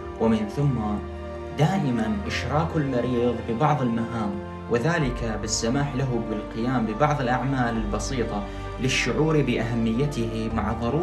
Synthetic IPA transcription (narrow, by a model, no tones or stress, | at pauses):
wɪmɪnθʊmːa | d̪aːʔɪmanʔɪʃɾˤɑːkalmɑɾiːðˤbɪbɑʕðˤɪlmaɦaːm | wʔɪðaːlɪkabɪsːamaːħlaɦʊbɪlqɪjaːmbɪbɑʕðˤɪlʔaʕmaːlɪlbɑsiːt̪ˤɑ | lɪʃːʊʕuːɾbɪʔaɦamːɪjːat̪ɪɦimaʕðˤɑɾuː